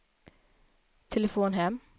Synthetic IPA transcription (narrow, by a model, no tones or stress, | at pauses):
t̪ʰɛləfoːnɦɛm